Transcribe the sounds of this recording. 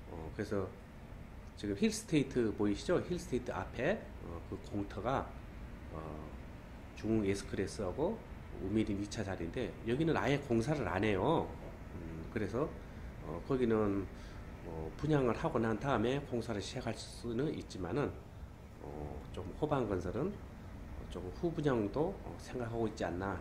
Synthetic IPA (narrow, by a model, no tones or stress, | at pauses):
ʌ̰kɯɾe̞sʰʌ | t͡ɕiɡɯmçils͈ʰɯ̥tʰeitʰɯpoiɕʰid͡ʑoçiɭs͈ʰɯ̥tʰeitʰɯa̰pʰe̞ | ʌkɯkoŋtʰʌɡa | ʌ | t͡ɕuŋuŋesʰɯ̥kʰɯɾes͈ɯɦaɡo | umiɾinɥit͡ɕʰad͡ʑaɾinde̞jʌɡinɯnae̞koŋs̬ʰaɾɯɾa̰ne̞jo | kɯɾe̞sʰʌ | ʌ̰kʌɡinɯn | ʌpuɲaŋɯɭhaɡonantaɯme̞koŋsʰaɾɯɭɕʰiɦakʰaɭs͈u̥s͈unɯnit̚t͡ɕ͈imanɯn | ʌ̰t͡ɕomhobanɡʌnsʰʌɾɯn | ʌ̰t͡ɕomɸubuɲaŋdoʌ̰sʰe̞ŋɡakʰaɡoik̚t͡ɕ͈ianːa